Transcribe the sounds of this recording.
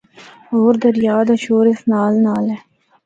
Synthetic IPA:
oːɾd̪əɾjɑːd̪aɕoːɾesnɑːlnɑːle

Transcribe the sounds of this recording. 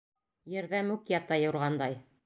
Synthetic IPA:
jɘ̆ɾðæmʉkjɑt̪ɑjɤ̆ɾʁɑnd̪ɑj

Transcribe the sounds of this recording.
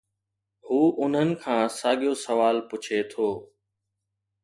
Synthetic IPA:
huːʔʊn̤ənɪ̆kʰãːsaːɠijosɐʋaːlpʊt͡ʃʰet̪ʰoː

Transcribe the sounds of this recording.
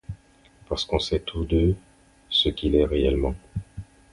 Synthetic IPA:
paʁsə̥kɔ̃sɛt̪ʰud̪ø | səkʲilɛʁeɛlmɑ̃

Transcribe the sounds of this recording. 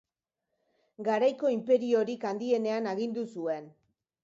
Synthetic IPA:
ɡaɾajko̞impe̞ɾio̞ɾikand̪ie̞ne̞anaɣind̪usue̞n

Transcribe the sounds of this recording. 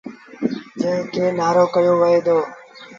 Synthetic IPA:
d͡ʒə̃ɦɪ̃kʰeːnaːɾoːkəjoːʋəɦeːd̪oː

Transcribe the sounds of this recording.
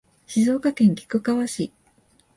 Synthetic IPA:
ɕizo̞ːkakẽ̞ŋkʲi̥kɯ̟kaβaɕi

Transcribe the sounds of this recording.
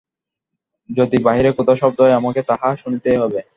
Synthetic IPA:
d͡ʑod̪ibaɦiɾekot̪aʃɔb̚d̪oeamaket̪aɦaʃunit̪eɦɔbe

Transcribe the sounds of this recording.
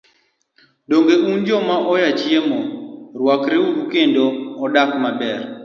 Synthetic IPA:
doŋɡeund͡ʒɔmaʔɔjat͡ʃjemorwakɾeuɾukendoɔdakmabɛr

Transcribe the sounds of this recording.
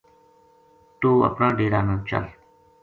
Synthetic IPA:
t̪uːɐ̰pnaːɖiːɾaːnãːt͡ʃə̰l

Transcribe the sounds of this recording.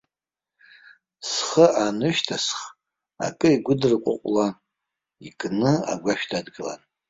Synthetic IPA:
sχəʔanɨʃtʰasχ | a̰kʼɨiɡʷʊdɨrkʷʼʊ̰qʷʼlan | ikʼnɨa̰ɡʷaʃᶣtʰadɡɨla̰n

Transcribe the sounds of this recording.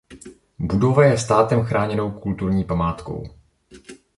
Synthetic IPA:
budo̞vajɛst̪aːt̪ɛmxɾaːɲɛno̞wkult̪uɾɲiːpamaːt̪ko̞̰w

